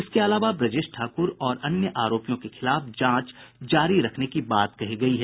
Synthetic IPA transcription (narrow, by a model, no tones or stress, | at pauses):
ɪskeɐlaːʋabɾɐd͡ʒɪʃʈʈʰaːkʊɾɔːɾɐnjəʔaːɾoːpijõkexɪlaːfd͡ʒãːt͡ʃd͡ʒaːɾiɾɐkʰnekibaːt̪kɐɦiɡɐiɦɛː